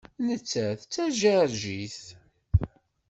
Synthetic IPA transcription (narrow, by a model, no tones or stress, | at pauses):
nət͡sːæθt͡sːæʒæɾʒiθ